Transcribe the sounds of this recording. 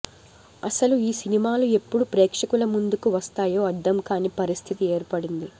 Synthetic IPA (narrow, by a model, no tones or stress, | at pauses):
ɐ̰sɐluiːsinimaːlue̞pːuɽupɾɛːkʂɐkulɐmund̪ukuʋɐst̪aːjo̞ːɐd̪ːɐmkaːnipɐɾist̪ʰit̪ie̞ːɾpɐɽind̪i